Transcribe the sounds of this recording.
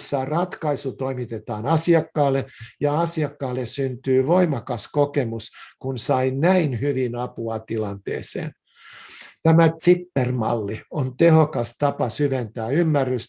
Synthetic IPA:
sːɑrɑt̪kɑisut̪oimit̪et̪ɑːnɑsiɑkːɑːlːejɑɑsiɑkːɑːlːessynt̪yːʋoimɑkɑskokemuskunsɑinæinhyʋinɑpuɑt̪ilɑnt̪ḛːsḛːn | t̪æmæt̪sipːermɑ̰lːiont̪ehokɑst̪ɑpɑsyʋent̪æːymːærːys

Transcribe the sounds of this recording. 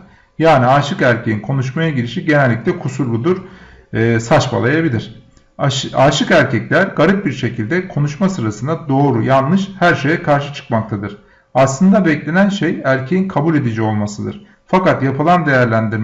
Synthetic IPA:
jaːniaːʃɯkæɾcʰejinkʰo̞nuʃ̬majaɟilʲiʃiɟe̞nælʲːiclʲɛkʰusuɾbud̪uɾ̥ː | sat͡ʃba̰lˠajabilʲiɾ̥ | aːʃɯkæɾcʰɛclʲæɾɡaɾɯt̪̚biɾʃe̞cʰilʲd̪ɛkʰo̞nuʃmasɯɾasɯnd̪ad̪o̞ːɾujanlːˠɯʃhæɾʃe̞jɛkʰaɾʃɯt͡ʃʰɯ̥kmak̚t̪ʰad̪ɯɾ̥ | aslˠɯnd̪abɛclʲe̞nænʃejæɾcʰejinkʰabulʲe̞d̪id͡ʒio̞lˠmasɯd̪ɯ̰ɾ̥ | fakat̪japʰɯlˠand̪e̞jæɾlʲænd̪iɾ

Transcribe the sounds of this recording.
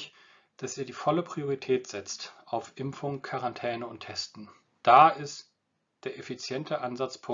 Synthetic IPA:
ç | d̥asiːɐdiːfɔləpʁ̥ioʁitʰɛːtz̥ɛt͡stʔaʊfʔɪmfʊŋkʰaʁantʰɛːnəʊntʰːɛstn̩ | d̥aːɪst | d̥eːɐʔefit͡sjɛntʰəʔanzat͡spʰʊ

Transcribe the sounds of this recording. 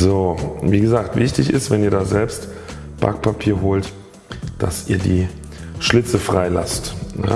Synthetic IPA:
zoːviːɡəzaːk̚tv̥ɪçtɪçɪ̰stvɛniːɐdaːzɛlpst | b̥a̰k̚pʰapʰiːɐɦoːlt | d̥a̰sʔiːɐdiː | ʃlɪt͡səfʁ̥aɪla̰stna̰

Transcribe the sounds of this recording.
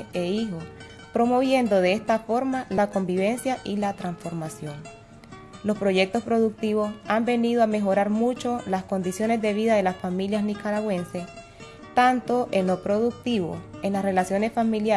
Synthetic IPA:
eixo̞s | pɾo̞mo̞βje̞nd̪o̞ðe̞est̪afo̞ɾmalako̞mbiβ̞e̞nsjaʔilat̪ɾansfo̞ɾmasjo̞ŋ | lo̞spɾo̞ʝe̞k̚t̪o̞spɾo̞ðuk̚t̪iβo̞sambe̞nið̞oame̞xo̞ɾaɾmut͡ʃo̞lasko̞nd̪isjo̞ne̞zðe̞β̞iðaðe̞lasfamiljasnikaɾaɣwe̞nse̞s | t̪ant̪o̞ʔeno̞pɾo̞ðuk̚t̪iβo̞̰e̞nlasre̞lasjone̞sfamilja

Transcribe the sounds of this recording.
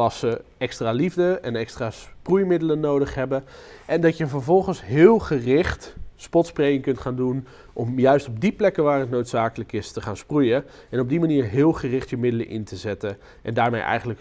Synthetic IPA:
ɑsəɛkstraːlivdəɛnɛkstraːsprujmɪdələnowdəχɦɛbəʔɛndɑtjəvəɹvɔlˠχənsɦɪːlˠχərɪχtspɔtsprejɪŋkɵntχaːndun | ʔɔmjœɥstɔb̚diplɛkəʋaːrətnowtsaːkələkɪstəχaːnsprujə | ɛnɔb̚dimaniːɹɦɪːlˠχərɪχtjəmɪdələ̰ʔɪ̰ntəzɛtə | ʔɛ̰ndaːɹmḛjʔɛ̰jχənlək

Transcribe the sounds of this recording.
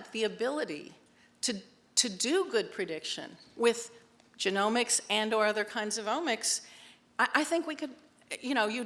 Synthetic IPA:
t̪̚ðiɨbɪlˠəɾḭ | ɾɨ | ɾʰɨdɨɡʊd̚pʰɹ̥ɨdɪkʃɨ̰̃nwɪð̥ | d͡ʒɨnõʊ̃mɨksɨ̃nə˞ʌðə˞kʰãɪ̃ndzʌvõʊ̃mɨks | aɪʔaɪθɪ̃ŋkwikɨd̚ | jɨɾ̃oʊjɨ

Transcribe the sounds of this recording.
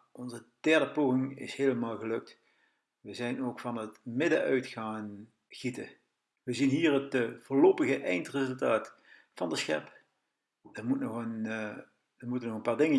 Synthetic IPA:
ɔnzəd̥ɛɹdəpoːɣɪŋɪ̰shejləmaːlˠɣəlɵk̚t | ʋəzɛjnoːkfɑnətmɪdəʔœɥtχaːn | χitə | ʋəzinɦiːrɦətəvʊːɹlowpəɣəʔɛjntrezɵlˠtaːt | fɑndəsxɛ̰p | dəmutnɔχən | dəmutənɔχənpaːɹdɪŋə

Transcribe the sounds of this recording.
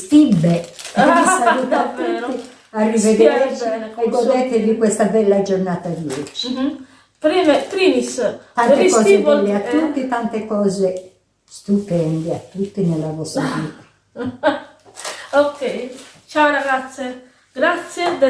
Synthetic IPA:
t̪ibːeisaalut̪at̪ːui | arːived̪eɛtiɛɛɡːod̪ɛt̪evikwest̪abɛlːad͡ʒornaːt̪ad̪iɛt͡ʃ | pɾimet̪ɾiːmist̪ant̪ekɔːzevɔlːeat̪ːut̪ːit̪ant̪ekɔːze | st̪upɛnd̪eat̪ːut̪ːinelːavɔst̪aviːt̪ḁ | okʰːɛjt͡ʃawɾaɣat̪sːje | ɡɾat̪sjed̪e

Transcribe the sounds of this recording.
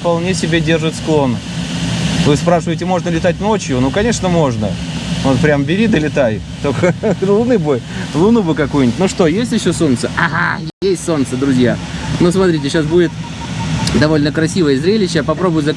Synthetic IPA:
pɐlˠnʲesʲɪbʲedʲe̞rʐɨt̪sklˠo̞n | vɨspɾaʂɨvəjɪtʲɪmo̞ʐnəlʲɪt̪at̚ʲno̞t͡ɕjʊnukɐnʲe̞ʂnəmo̞ʐnə̰vot̪pɾʲambʲɪɾʲid̪əlʲɪt̪ajʊ | t̪okəlˠʊnɨbojlˠʊnubɨkɐkujnʲɪtʲnuʂt̪o̞jesʲtʲɪɕːoso̞nt̪səaa̰ | jesʲtʲso̞nt̪səd̪ɾʊzʲja̰nusmɐt̪ɾʲitʲɪɕasbudʲɪt̪ | d̪ɐvo̞lʲnəkɾɐsʲivəjəzɾʲelʲɪɕːɪapɐpɾo̞bʊjʊzə

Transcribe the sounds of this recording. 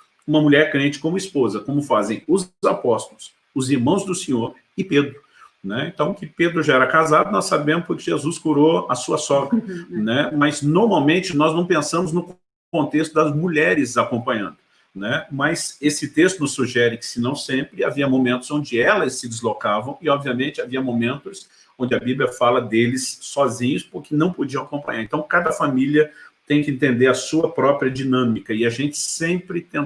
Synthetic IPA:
ũmɐmuʎɛɾkɾẽnt͡ʃɪ̥kõmʊispozɐkõmʊfazẽj̃ʊzzapɔst̪ʊlʊs | ʊziɾmɐ̃w̃zd̪ʊsẽɲoɾ | ɪped̪ɾʊ | nɛḛ̃nt̪ɐ̃w̃kɪped̪ɾʊʒaɛɾɐkazad̪ʊnɔsabẽmʊspʊɾkɪʒezuskuɾoɐsuɐsɔkɐnɛmɐznoɾmawmẽnt͡ʃɪnɔznɐ̃w̃pẽsɐ̃mʊznʊk | õnt̪est̪ʊd̪ɐzmuʎɛɾɪzakõmpɐ̃ɲɐ̃nd̪ʊ | nɛmɐsesɪt̪est̪ʊnʊsːuʒɛɾɪkɪ̥sɪnɐ̃w̃sẽmpɾɪaviɐmomẽnt̪ʊzõnd͡ʒɪɛlɐsːɪd͡ʒɪzlokavɐ̃w̃ɪɔbviɐmẽnt͡ʃɪaviɐmomẽnt̪ʊs | õd͡ʒɪɐbiblʲjɐfalɐd̪elɪsːɔzĩɲʊspʊɾkɪnɐ̃w̃pod͡ʒiɐ̃w̃akõpɐ̰̃ɲaɾẽnt̪ɐ̃w̃kad̪ɐfamiliɐt̪ẽj̃kɪẽt̪ẽnd̪eɾɐsuɐpɾɔpɾiɐd͡ʒinɐ̃mikɐɪaʒẽnt͡ʃɪ̥sẽpɾɪt̪ẽ

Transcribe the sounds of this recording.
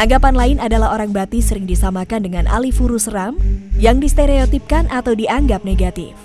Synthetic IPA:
ʔaŋɡapanlaɪnadalahoɾaŋbat̪isəɾɪŋdisamakandəŋanʔa̰lifuɾusramjaŋdist̪eɾeot̪ip̚kanʔat̪awdiʔaŋɡap̚neɡat̪ḭf

